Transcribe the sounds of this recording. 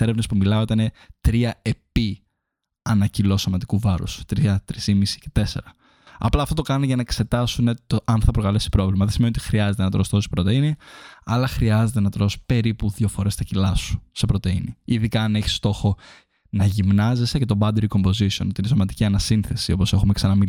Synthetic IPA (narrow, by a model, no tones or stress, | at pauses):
eɾevnɐspumilɐoit̪ɐnet̪ɾiɐe̞pi | ɐnɐcilo̞sɐmɐt̪ikuvɐɾṵst̪ɾiɐt̪ɾisimisi̥ce̞̥t̪e̞se̞̰ɾɐ | ɐ̰plɐft̪ot̪o̞kɐnuneʝɐnɐekse̞t̪ɐsune̞t̪oʔɐnθɐpɾokɐlesi̥pɾo̞vlimɐðesimeniot̪i̥xɾiɐze̞t̪enɐt̪ɾost̪osi̥pɾo̞t̪einiɐlɐxɾiɐze̞t̪e̞nɐt̪ɾo̞si̥pe̞ɾipuðʝofo̞ɾe̞st̪ɐcilɐsu̥sepɾo̞t̪e̞ḭnḭiðikɐːne̞çi̥st̪o̞xo̞ | nɐʝimnɐzesece̞t̪o̞bɐd̪eɾiko̞mbo̞zisio̞not̪iinesomɐt̪i̥ciɐnɐsinθe̞sio̞po̞se̞xumeksɐnɐmi